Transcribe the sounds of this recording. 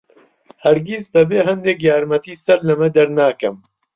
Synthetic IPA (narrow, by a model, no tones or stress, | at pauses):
hɐɾɡizbɐbeːɦɐnd̪eːkjaːɾmɐt̪iːsɐɾlɐmɐd̪ɐɾnaːkɐm